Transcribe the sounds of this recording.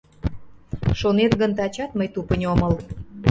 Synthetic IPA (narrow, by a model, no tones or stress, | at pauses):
ʃonet̪ɡənt̪ɑt͡ɕɑt̪məjt̪upənʲoməl